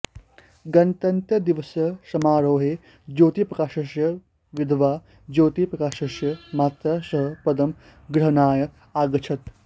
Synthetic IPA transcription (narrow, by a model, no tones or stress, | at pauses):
ɡɐnt̪ɐnt̪jɐd̪iʋɐsjɐsɐmaːɾoːɦeː | d͡ʒoːt̪ipɾɐkaːʃɐʃjɐ | ʋid̪ʱʋaː | d͡ʒoːt̪ipɾɐkaːʃɐʃjɐmaːt̪ɾasɐɦɐpɐd̪ɐm | ɡɾɐɦɐnaːjɐ | aːɡɐt͡ʃʰɐt̪